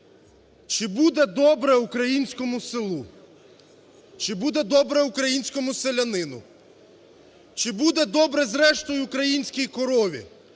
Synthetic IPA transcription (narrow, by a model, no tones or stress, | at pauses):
t͡ʃɪbud̪ɛd̪ɔbɾɛukɾɐjinʲsʲkɔmʊsɪlˠu | t͡ʃɪbud̪ɛd̪ɔbɾɛukɾɐjinʲsʲkɔmʊselʲɐnɪnʊ̰ | t͡ʃɪbud̪ɛd̪ɔbɾɛzɾɛʃt̪ɔjʊːkɾɐjinʲsʲkʲijkɔɾɔʋʲḭ